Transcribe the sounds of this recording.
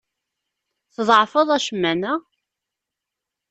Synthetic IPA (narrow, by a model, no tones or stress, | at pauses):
θðˤʕfəðˤæʃəmːænæ